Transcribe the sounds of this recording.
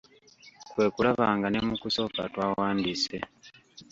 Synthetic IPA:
kwe̞ːkulaβa̰ːŋɡanemukuso̞ka̰twaːwaːndise

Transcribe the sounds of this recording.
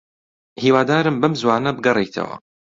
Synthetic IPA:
hiːwaːd̪aːɾɨmbɐmzwaːnɐbɨɡɐrˤejt̪ʰɐ̰wɐ̰

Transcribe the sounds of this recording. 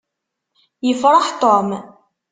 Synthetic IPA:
jəfɾˤɑħt̪ˤɔm

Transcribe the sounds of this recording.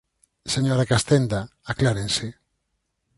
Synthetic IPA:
seɲoɾakast̪end̪aaklaɾensɪ

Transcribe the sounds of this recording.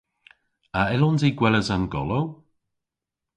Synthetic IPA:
aɪlɔnziɡwɛləzanɡɔ̰low

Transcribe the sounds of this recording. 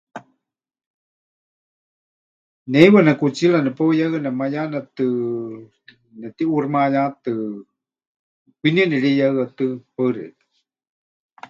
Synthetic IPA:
nɛjwanakut͡silanɛpajaɨanɛmajanat̪ɨ | nɛt̪iʔurmajat̪ɨ | kʷiniənɛɺijaɨat̪ɨpaɨɾḛt̪ɨ̥

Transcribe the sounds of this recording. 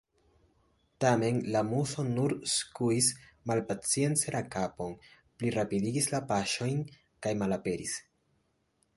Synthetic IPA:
tame̞nlamuso̞nuɾskuismalpat͡sie̞nt͡selakapo̞n | pliɾapidiɡislapaʃo̞jn | kajmalape̞ɾis

